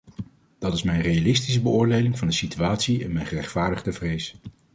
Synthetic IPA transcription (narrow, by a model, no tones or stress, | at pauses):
d̥ɑtɪsmɛjnrejalɪstis̬əbəʊːɹdejlɪŋvɑndəsityaːtsiɛnmɛjnχərɛχtfaːɹdəχdəvrejs